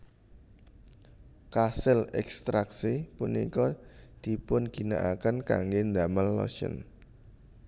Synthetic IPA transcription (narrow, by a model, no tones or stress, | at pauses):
kasɪlɛkst̪ɾaksipunḭkɔd̪̥i̤pʊnɡ̥i̤na̰ʔakənka̰ŋɡend̪aməlːɔ̰ʃə̰n